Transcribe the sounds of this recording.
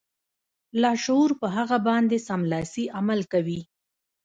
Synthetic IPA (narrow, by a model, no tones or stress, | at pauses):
lɑʃouɾpəɦaɣabɑnd̪esamlɑsiʔamalkawi